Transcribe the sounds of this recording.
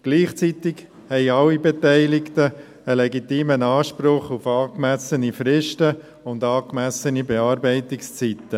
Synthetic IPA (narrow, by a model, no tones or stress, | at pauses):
ɡ̥liːχt͡sit̪ɪk | hɛɪɑlːibɛtɛɪlɪkt̪ə | əlɛɡitiːmənɑːʃpɾʊχufɑːkmæsənifɾɪʃtə | ʊndɑːkmæsənibɛɑːɾbɛɪt̪ɪkst͡sit̪ːə